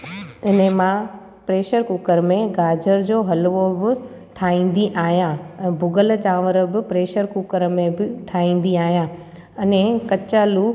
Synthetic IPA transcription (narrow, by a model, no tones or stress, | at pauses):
ɪnemã | pɾeːʃəɾkukəɾmẽɡaːd͡ʑəɾd͡ʑoːɦɐlʋobɪ | ʈʰaːĩːn̆d̪iʔaːɦijãɛ̃ːbʱʊɡəlt͡ɕãːʋəɾəbɪpɾeːʃəɾkukəɾmẽbɪʈʰaːĩːn̆d̪iaːɦjã | ɐnẽkɐt͡ɕaːlu